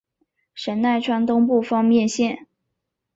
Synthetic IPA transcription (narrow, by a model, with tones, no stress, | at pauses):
ʂə˧˥nna˥˩ɪʈ͡ʂʰwa˥nt̪ʊ˥ŋp̬u˥˩fɑ˥ŋmjɛ˥˧nɕjɛ˥˩n